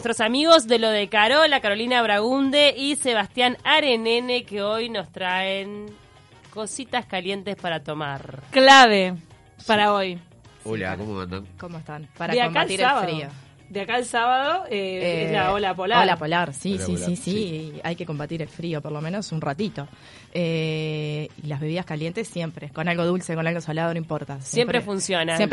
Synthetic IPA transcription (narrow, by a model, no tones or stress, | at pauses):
nwest̪ɾo̞samiɣo̞zðe̞lo̞ðekaɾo̞lakaɾo̞linaβɾaɣund̪eʔiseβ̞ast̪janaɾenene̞keo̞jno̞st̪ɾaeŋ | ko̞sit̪askalje̞nt̪espaɾat̪o̞maɾklaβe | paɾaoj | ula̰komo̰ma̰nd̪a̰komoest̪anpaɾad̪aomalt̪iɾeaɾio | d̪eakaelsaβaðoeenaolapolaoɾlapolaɾsisisisia̰jke̞ko̞mbat̪iɾelfɾio̞poɾlo̞meno̞sunrat̪it̪o̞ | e | ilazβe̞βiðaskaljent̪esːje̞mpɾe̞ko̞nalɣoð̞ulseko̞nalɣosalaðonõimpoɾt̪asjjempɾefunsjonajemp